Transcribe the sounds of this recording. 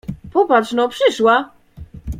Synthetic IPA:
pɔpat͡ʂt͡ʂnɔpʂɘʂwa

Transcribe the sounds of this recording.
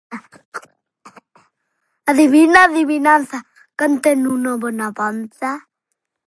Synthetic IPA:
aðiβinaðiβinanθa | kənt̪enunobɔnapant̪a

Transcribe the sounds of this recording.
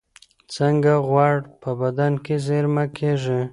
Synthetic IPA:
t͡səŋɡaɣwɑɽpəbad̪ankezeɾmakʰeʒi

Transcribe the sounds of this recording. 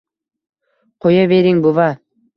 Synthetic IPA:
qʰojaβeɾiŋbuva

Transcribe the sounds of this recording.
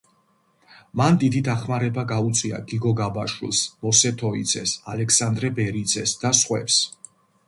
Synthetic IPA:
mand̪id̪id̪aχmaɾɛbaɡaut̪sʼwia̰ɡiɡɔɡabaʃwḭlˠsmɔsɛt̪ʰɔid̪zɛsa̰lɛksand̪ɾɛbɛɾid̪zɛsd̪asχwɛ̰ps

